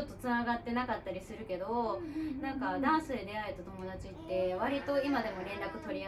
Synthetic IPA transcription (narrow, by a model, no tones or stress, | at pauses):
ot̪ːo̞t͡sɨnaɡat̪ːe̞nakat̪ːaɾʲisɨɾɯ̟ke̞d̪o̞nãŋkad̪ãɰ̃sɨd̪ed̪e̞ae̞t̪at̪o̞mo̞d̪at͡ɕit̪ːe̞β̞aɾʲit̪o̞imad̪e̞mo̞ɾẽ̞nɾakɯ̟t̪o̞ɾʲi